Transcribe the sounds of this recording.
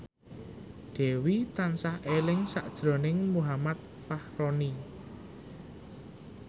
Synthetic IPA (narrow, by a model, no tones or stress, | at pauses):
ɖ̪̥ɛ̤wit̪ansahelɪŋsa̰ʔd̥ʒ̥ɾɔ̤nɪŋmuɦamat̪̚fahɾoni